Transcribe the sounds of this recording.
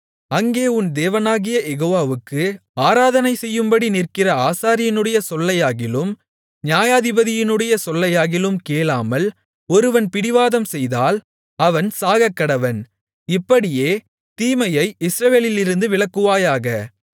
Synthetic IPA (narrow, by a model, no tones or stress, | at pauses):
ɐŋɡeːʊnd̪eːʋɐnaːɣɪjɐʔɛɣoːʋaːʋɯkːɯaːɾaːðɐnɐɪsɛjːɯmbɐɽinɪrkɪrɐaːsaːɾɪjɪnɯɽɐjɐsɔlːɐjaːɣɪlɯm | ɲjaːjaːðɪbɐðɪjɪnɯɽɐjɐsɔlːɐjaːɣɪlɯmkeːlaːmɐl | ɔɾɯʋɐnpɪɽɪʋaːðɐmsɛjðaːl | ɐʋɐnsaːɣɐkːɐɽɐʋɐn | ɪpːɐɽɪjeː | t̪iːmɐjɐɪɪsɾɐʋeːlɪlɪɾɯnd̪ɯʋɪɭɐkːɯʋaːjaːɣɐ